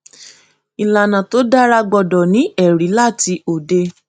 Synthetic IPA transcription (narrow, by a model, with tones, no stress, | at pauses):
i˨la˨nã˨to˨˦da˦ɾa˧ɡ͡bɔ˧dɔ˨nĩ˨˦ɛ˦˨ɾi˨˦la˦˨ti˧o˨de˧˦